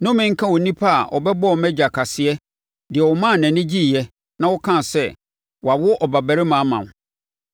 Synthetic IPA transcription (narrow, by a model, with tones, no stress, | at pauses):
nʊ̃˦mɪ̃˦ŋ̩˦kʰã˦wo˨nĩ˦pʰa˦a̰˨ʔɔ̰˨bɛ˦bɔ˦˨mɛ̃˦d͡ʑa˨kʰa˨sɪ˦ɛ˦ | dɪ˨ɛ˨wɔ˨mã˦˨nɛ̃˨nɪ̃˦d͡ʑi˦˨jɛ˦ | nã˦wʊ˦kʰã˦˨sɛ˦ | wa˨wʊ˦ʔɔ˨ba˨bæ˨ɾɪ˦mã˨˦mã̰˨m˨